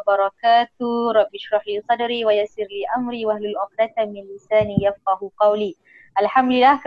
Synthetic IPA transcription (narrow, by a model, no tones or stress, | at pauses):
bɑɾˤɑkaːt̪ɾˤɑbːɪʃɾˤɑħliːsɑd̪ɾiːwajasɪɾliːʔamɾiːwʔahlalʔʊxd̪at̪mɪnlɪsaːnijafqɑhqɑwliː | ʔalħamd̪lɪlːaːhk